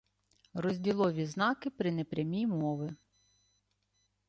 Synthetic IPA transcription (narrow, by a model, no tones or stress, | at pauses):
rɔzʲdʲilˠɔʋʲiznɑkɪpɾɪnɛpɾʲɐmʲijmɔʋɪ